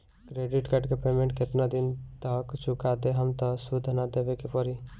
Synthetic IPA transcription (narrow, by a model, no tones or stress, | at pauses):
kɾeɖiʈkəʈkepemẽɳʈket̪nad̪int̪əkt͡ʃʰukad̪eɦəmt̪ɔsud̪ʱnad̪ebekepɔɾi